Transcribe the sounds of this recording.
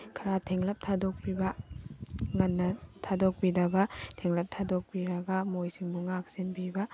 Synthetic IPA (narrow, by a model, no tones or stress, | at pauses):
kʰɐɾatʰeŋlɐp̚tʰadok̚pibɐ | ŋɐnːɐtʰadok̚pidɐbɐtʰeŋlɐp̚tʰadok̚piɾɐɡɐmojsiŋbuŋak̚sinbibɐ